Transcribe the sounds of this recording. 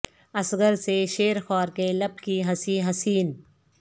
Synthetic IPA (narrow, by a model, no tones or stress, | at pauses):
ɐsɡəɾseʃeːɾxɔːɾkelɐb̚kiɦɐsiːɦɐsiːn